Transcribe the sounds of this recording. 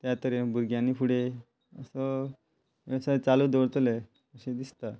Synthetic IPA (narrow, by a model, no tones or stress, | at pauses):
t̪jat̪əɾebʱuɾɡjãnːipʰuɽe | əsə | sat͡salud̪oɽt̪le | əɕẽd̪ist̪a